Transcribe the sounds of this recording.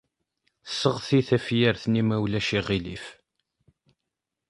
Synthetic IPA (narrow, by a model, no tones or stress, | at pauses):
sːəʁθiθæfjəɾθnimæwlæʃiʁilif